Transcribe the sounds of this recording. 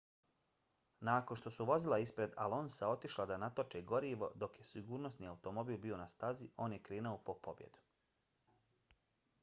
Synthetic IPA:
naːko̞nʃt̪o̞suʋo̞zilˠaispɾe̞d̪alˠo̞nsao̞t̪iʃlˠad̪anat̪ot͡ʃeɡo̞ɾiːʋo̞̰d̪o̞kje̞siɡuːɾno̞sniːawt̪o̞mo̞biːlˠbio̞nast̪azio̞ːnje̞kɾeːnaopo̞po̞bje̞̰d̪u̥

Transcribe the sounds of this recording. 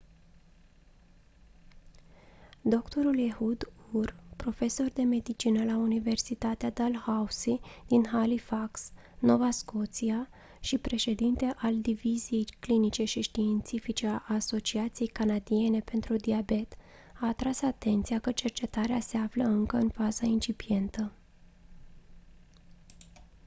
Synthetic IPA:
d̪o̞kt̪o̞ɾuljehud̪urpɾo̞fe̞so̞rd̪e̞me̞d̪it͡ʃinəlaunive̞rsit̪at̪ead̪alhausid̪̥inɦalifaks | no̞vasko̞t̪sia | ʃipɾe̞ʃe̞d̪int̪e̞ʔald̪ivizije̞jklinit͡ʃe̞ʃiʃt̪iːnt̪sifit͡ʃe̞aʔːso̞t͡ʃiat̪sije̞jkanad̪ie̞ne̞pe̞nt̪ɾud̪iabe̞t̪ | aːt̪ɾasat̪e̞nt̪sijakət͡ʃe̞rt͡ʃe̞t̪aɾease̞afləɨŋkəɨnfazaint͡ʃipije̞nt̪ə

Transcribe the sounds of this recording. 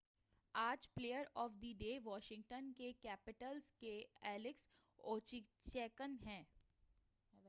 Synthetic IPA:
aːd͡ʒpleːjəɾɔːfd̪iɖeːʋɔːʃɪ̃ŋʈənkekɛːpɪʈəlskeɛːlɪks | oːt͡ʃit͡ʃɛːkənɦɛ̃ː

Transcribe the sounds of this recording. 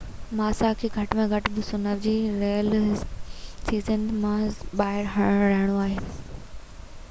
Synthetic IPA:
maːsakʰiːɡʱɐʈmẽɡʱɐʈbɪsʊnəʋd͡ʑiːɾeːəl | siːzənmãɓaːɦɪɾɦɐɽ̃ɾɐɦɪɽ̃oaːɦeː

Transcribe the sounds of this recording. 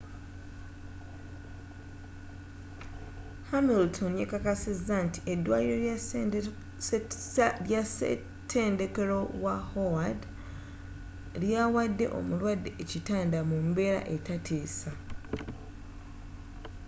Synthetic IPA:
hamiltʰonjekakasizːanti̥ʔe̞dːwa̰ːiɾo | ja | tʰːe̞ːnde̞ke̞ɾo̞wahowad | ljaːwadːe̞ʔo̞̰mulwadːeːcitaːndamumbe̞ɾa̰ʔe̞tatʰeːsa

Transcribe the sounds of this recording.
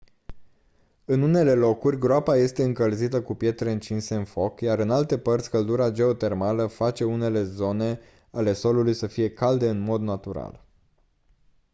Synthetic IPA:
ɨnune̞le̞lo̞kurʲɡɾoapaje̞st̪e̞ɨŋkəlzit̪əkupje̞t̪ɾeɨnt͡ʃinse̞ɨnfo̞kjaɾɨnalt̪e̞pərt̪sʲkəld̪uɾad͡ʒe̞o̞t̪e̞rmaləfat͡ʃe̞une̞le̞zo̞ne̞ | ale̞so̞lulujsəfije̞kald̪e̞ɨnmo̞d̪nat̪uɾa̰l

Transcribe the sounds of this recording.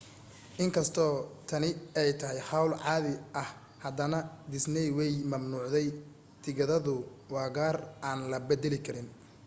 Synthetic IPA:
ʔɪŋkʰɐst̪ʰɔːt̪ʰɐnɪɛjt̪ʰɐɦɛjħɑwlʕɑːðɪʔɐh | hɐd̪ɐnɐd̪ɪsnɛjwɛjmɐmnuːʕðɛj | t̪ʰɪɣɐðɐðʊ | wɑːɣaːraːnlɐbɛd̪ɛlɪkʰɐɾɪn

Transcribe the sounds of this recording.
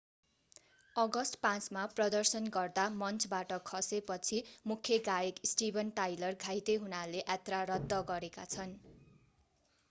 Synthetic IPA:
ʌɡʌsʈpãt͡smaprʌd̪ʌrsʌnɡʌrd̪amʌnt͡sʰbaʈʌkʰʌsepʌt͡sʰimukʰjʌɡajeksʈibʱʌnʈajlʌrɡʱajt̪eɦunaleʔat̪raɾʌd̪ːʌɡʌɾekat͡sʰʌn

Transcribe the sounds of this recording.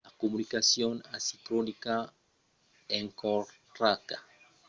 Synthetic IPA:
akomunikasjonasit̪ɾonika | eŋkoɾt̪ɾaka

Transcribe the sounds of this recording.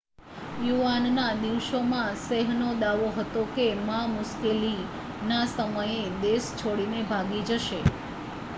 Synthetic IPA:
juʋannad̪iʋʃomãseɦnod̪aʋoɦət̪okemamʊʃkeli | nasəməjed̪est͡ʃʰoɽinebʱaɡid͡ʒəʃe

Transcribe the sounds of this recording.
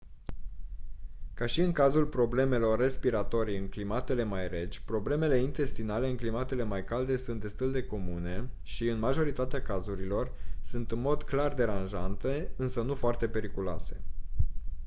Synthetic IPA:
kaʃiɨŋkazulpɾo̞ble̞me̞lo̞rːe̞spiɾat̪o̞ɾijɨŋklimat̪e̞le̞majɾe̞d͡ʒʲpɾo̞ble̞me̞le̞int̪e̞st̪inale̞ɨŋklimat̪e̞le̞majkald̪e̞sunt̪d̪e̞st̪uld̪e̞ko̞mune̞ | ʃiɨnmaʒo̞ɾit̪at̪eakazuɾilo̞rsunt̪ɨnmo̞d̪klard̪e̞ɾanʒant̪e̞ɨnsənufoart̪e̞pe̞ɾikuloa̰se̞

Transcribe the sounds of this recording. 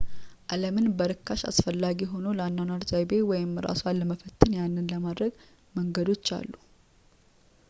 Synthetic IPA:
ʔaləmɨnbəɾɨkʰːaʃa̰sfəlːaɡiɦo̞no̞ləanːanaɾzajbe̞wɔjɪmːɨɾa̰swalːəməfət̪ʰːɨnjanːɨnləmad̪ɾəɡ | məŋɡəd̪o̞t͡ʃːa̰lːu

